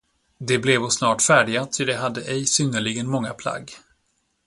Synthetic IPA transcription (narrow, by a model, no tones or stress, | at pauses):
d̪ɛblɛvɔsnɑːʈfæːɖɪɡat̪ʰʏd̪ɛɦad̪ːəʔɛjsʏnːəɭɪɡənmɔŋːapʰla̰ɡː